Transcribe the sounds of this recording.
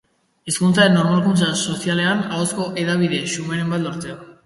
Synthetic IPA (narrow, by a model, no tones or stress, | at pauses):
eskunt͡saenːo̞ɾmalkunt͡saso̞siale̞anaosko̞ʔe̞ðaβ̞iðe̞ʃumeɾe̞mbat̪loɾt͡seo